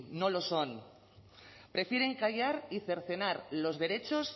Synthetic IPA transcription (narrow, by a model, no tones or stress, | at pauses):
nolo̞so̞n | pɾe̞fjeɾe̞ŋkaʝaɾiθe̞ɾθe̞naɾlo̞zðe̞ɾe̞t͡ʃo̞s